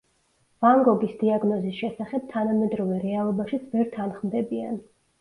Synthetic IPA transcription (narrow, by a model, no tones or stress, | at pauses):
vaŋɡɔbisd̪iaɡnɔzisʃɛsaχɛb̥̚t̪ʰanamɛd̪ɾɔvɛɾɛalˠɔbaʃit̪sʰvɛɾt̪ʰanχmd̪ɛbian